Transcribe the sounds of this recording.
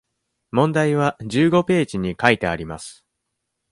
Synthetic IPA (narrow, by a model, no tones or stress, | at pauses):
mõ̞nd̪aiβ̞aʑɨːɡo̞pe̞ːʑiɲ̟ikait̪e̞aɾʲimasɨ̥